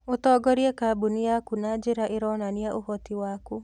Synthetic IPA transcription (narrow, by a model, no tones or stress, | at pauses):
otɔːɡɔɾiekaːbuniakunad͡ʒeɾaʔeɾɔnaniaʔohɔtiwaku